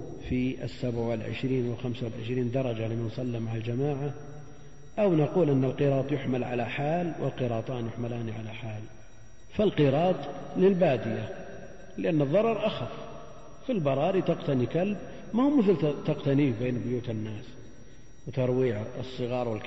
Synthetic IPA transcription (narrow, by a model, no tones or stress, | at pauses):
fiʔɪ̰sːabʕwɪlʕɪ̰ʃɾiːnwɪlxamsawɪlʕɪ̰ʃɾiːnd̪ɑɾˤɑd͡ʒalɪmɪnsˤɑlːamaʕald͡ʒamaːʕa | ʔawnaquːlʔɪnːalqɨɾˤɑːt̪ˤjʊħmalʕa̰laħaːlwʔɪ̰lqɨɾˤɑːt̪ˤɑːnjʊħmalaːniʕalaħaːl | falqɨɾɑːt̪ˤ | lɪlbaːd̪ɪja | lɪʔanːɨðˤːɑɾˤɑɾˤʔaxaf | filbɑɾˤɑːɾit̪aqt̪anikalb̚ | maumɪθlt̪aqt̪aniːbeːnbʊjuːt̪ɪnːaːs | wt̪ɑɾˤwiːʕɨsˤːɨɣɑːɾˤwɪl